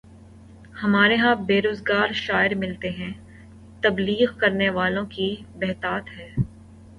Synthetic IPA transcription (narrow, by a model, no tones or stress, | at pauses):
hɐmaːɾeɦãbeːɾoːzɡaːɾʃaːɪɾmɪlt̪eɦɛ̃ː | t̪ɐbliːɣkɐɾneʋaːlõkibɛɦt̪aːt̪ɦɛː